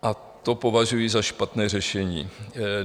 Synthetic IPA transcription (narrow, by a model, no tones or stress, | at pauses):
ʔa | t̪o̞po̞vaʒujizaʃpat̪nɛːrɛʃɛɲḭː